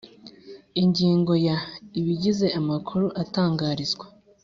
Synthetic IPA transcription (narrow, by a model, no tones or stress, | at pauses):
iɲɟiːŋɡo̞jaiβiɟize̞ʔamakʰuɾuʔataːŋɡaːɾizɡwḁ